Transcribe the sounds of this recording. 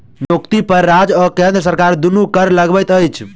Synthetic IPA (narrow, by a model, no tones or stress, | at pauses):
nokt̪ipəɾːad͡ʒɔkẽnd̪ɾəsəɾkaɾd̪unukəɾləɡbəjt̪əjt͡ʃʰ